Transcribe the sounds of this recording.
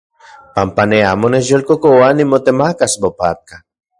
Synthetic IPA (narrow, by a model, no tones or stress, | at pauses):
pampaneamoneʒolkokowanimot̪emakasbopa̰t̪̚ka